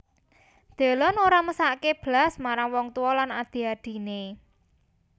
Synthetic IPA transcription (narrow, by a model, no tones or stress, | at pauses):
d̪̥e̤lɔnoɾaməsaʔkeb̥lasmaɾaŋwɔŋt̪uwɔlanad̪̥i̤ad̪̥i̤ne